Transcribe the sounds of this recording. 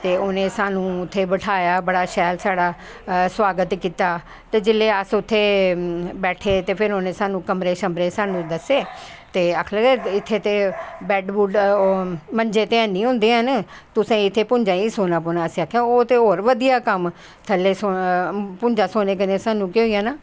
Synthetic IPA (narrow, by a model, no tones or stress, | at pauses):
t̪eːoːnẽːsaːnũːʊt̪ʰːeːbəʈʰaːjaːbəɽaːʃɛːlsaːɽaː | swaːɡət̪kiːt̪aː | t̪eːd͡ʒɪleːəsʊt̪ʰːeː | bɛːʈʰeːt̪eːpʰɪɾoːnẽːsaːnũːkəmɾeːʃəmɾeːsaːnũːd̪əsːeː | t̪eːəkʰləːɡɛːɪt̪ʰːeːt̪eːbɛːɖbuːɖ | məɲd͡ʒeːt̪eːənĩːɦʊ̃ːnd̪eːɦən | t̪ʊsẽːɪt̪ʰːeːpʊɲd͡ʒãːiːsoːnaːp̬oːnaːəsĩːaːkʰːjaːoːt̪eːɦoːɾʋəd̪ijaːkəm | t̪ʰəlːeːsopʊɲd͡ʒaːsoːneːk̬ənesaːnũːkɪoːijãːnaː